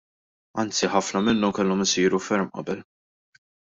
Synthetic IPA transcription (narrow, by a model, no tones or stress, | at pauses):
ɐnt͡siħɐfnɐmɪnːɔmkɛlːɔmɪsiːɾufɛɾmʔɐ̰bɛl